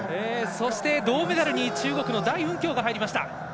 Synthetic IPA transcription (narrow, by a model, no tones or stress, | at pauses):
eːso̞ɕi̥t̪e̞d̪o̞ːme̞d̪aɾɯ̟ɲ̟it͡ɕɨːɡo̞kɯ̟no̞d̪aiɯ̟̃ŋkʲo̞ːɡaɦaiɾʲimaɕi̥t̪a̰